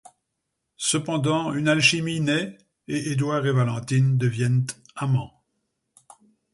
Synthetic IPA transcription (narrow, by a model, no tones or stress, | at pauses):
səpɑ̃d̪ɑ̃ynalʃiminɛ | eʔed̪waːʁevalɑ̃t̪ind̪əvjɛnt̪ | amɑ̃